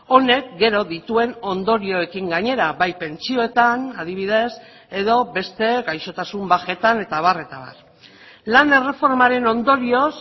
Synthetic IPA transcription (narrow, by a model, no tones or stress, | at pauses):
o̞ne̞k̚ɡe̞ɾo̞ðit̪ue̞no̞nd̪o̞ɾio̞e̞kiŋɡaɲe̞ɾaβajpe̞nt͡sio̞et̪anað̞iβ̞iðe̞s | e̞ðo̞be̞st̪e̞ɡajʃo̞t̪asumbaxe̞t̪ane̞t̪aβ̞are̞t̪aβa̰r | land̪ere̞fo̞ɾmaɾe̞no̞nd̪o̞ɾio̞s